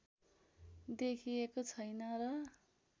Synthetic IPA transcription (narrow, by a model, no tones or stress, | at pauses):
d̪ekʰijekot͡sʰʌjnʌrʌ